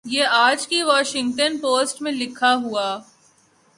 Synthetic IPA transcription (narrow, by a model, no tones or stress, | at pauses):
jeːaːd͡ʒkiʋɔːʃɪ̃ŋɡ̚ʈənpoːsʈmẽlɪkʰaɦuaː